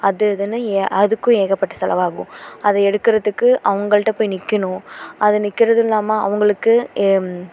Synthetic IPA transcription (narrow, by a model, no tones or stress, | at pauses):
ɐðɯɐðɯnːɯʔɐðɯkːʊ̃eːɣɐpːɐʈːɐ̥sɛlɐ̰ʋaːɣʊ̰̃ʔɐðɛɛɽɯkːɪɾɐðɯkːɯʔɐʋɐŋɡɐɭɯʈːɐpoːjnɪkːɐɳʊ̃ʔɐðɯnɪkːɪɾɐðɯlːaːmaːɐ̰ʋɐŋɡɐɭɯkːɯ